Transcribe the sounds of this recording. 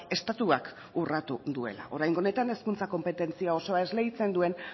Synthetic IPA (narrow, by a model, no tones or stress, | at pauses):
e̞st̪at̪uak | urat̪uðue̞̰la̰ʔo̞ɾajŋɡo̞ne̞t̪ane̞skunt͡sako̞mpe̞t̪e̞nt͡siao̞so̞ae̞zle̞ɣit͡se̞nd̪ue̞n